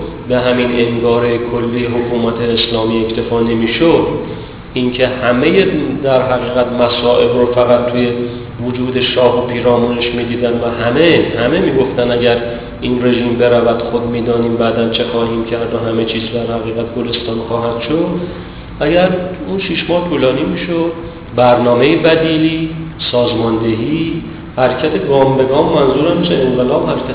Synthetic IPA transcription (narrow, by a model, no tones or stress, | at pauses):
be̞ɦæmineŋɡɒːɾekʰolːijeɦokʰuːmæt̪ʰeːslɒːmiːe̞ct̪ʰe̞fɒːne̞miːʃod̪ | ʔincʰe̞hæmejed̪æɾɦæɣiːɣæt̪mæsɒːʔe̞bɾofæɣæt̪̚t̪ʰuje̞ | vod͡ʒuːd̪e̞ʃɒːɦopʰiːɾɒːmuneʃmiːd̪iːd̪ænvæɦæmehæme̞miːɡo̞ft̪ænæɟæɾ | iːnre̞ʒiːmbe̞ɾævæd̪̥xod̪miːd̪ɒːniːmbæd̪ænt͡ʃʰe̞xɒːhiːmcʰæɾd̪ɒɦæme̞t͡ʃʰiːzd̪æɾhæɣiːɣæt̪̚ʰɡole̞st̪ɒːnxɒːɦæd̪̥ʃod̪ | ʔæɟæɾunʃiʃmɒːht̪ʰuːlɒːniːmiːʃod̪̥ | bæɾnɒːmejebæd̪iːli | sɒːzmɒnd̪e̞ɦiː | hæɾcʰæt̪ʰeɡɒːmbe̞ɡɒːmːænzuːɾæmːiʃeeŋɡelɒːbhæɾcʰʲæ